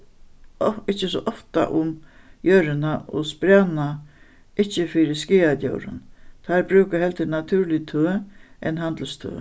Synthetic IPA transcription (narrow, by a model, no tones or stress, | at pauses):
ɪht͡ɕːɪsɔ̰ʔɔft̪a̰ʔʊm | jœːɾɪnaʔɔ̰spɾaːnna | ɪht͡ɕːɪfɪɾɪskiːat̪jo̰wɾɪ̰nt̪ʰaɾbɾʉːkaɦɛlt̪ʰɪnat̪ʰuːɾlɪt̪ʰøːɛnɦant̪l̩st̪ʰø̰ː